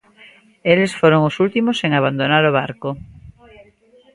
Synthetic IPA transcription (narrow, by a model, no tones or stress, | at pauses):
elesfoɾoŋosult̪imoseŋaβ̞and̪onaɾoβ̞aɾko